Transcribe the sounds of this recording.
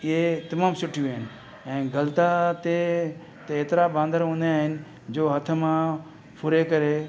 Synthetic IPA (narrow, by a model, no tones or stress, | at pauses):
ɪɦet̪ɐmãːmsʊʈʰjuaːɦɪnɪ̆ | ɛ̃ːɡɐlt̪at̪e | t̪eeːt̪ɾabãːnd̪ʱəɾɦõːnd̪aːɦɪnɪ̆ | d͡ʑoːɦɐt̪ʰəmã | pʊɾekɐɾe